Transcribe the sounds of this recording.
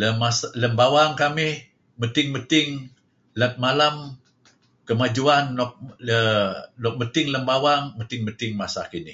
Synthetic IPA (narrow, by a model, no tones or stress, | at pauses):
ləmasləmbawaŋkamɪh | mət̪ɪŋmət̪ɪŋ | lət̪̚malam | kəmad͡ʒuanːɔk̚ənɔk̚mət̪ɪŋləmbawaŋmət̪ɪŋmət̪ɪŋmasakinɪ